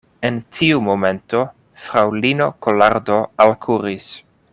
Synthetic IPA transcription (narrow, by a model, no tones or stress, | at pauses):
entʰiumo̞me̞nto | fɾawlino̞kolaɾdoalkʰuɾis